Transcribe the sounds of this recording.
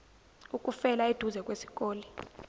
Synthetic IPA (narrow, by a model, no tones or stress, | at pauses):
ukʼufɛlaed̥ʱuzɛkʼwesi̥kʼoːli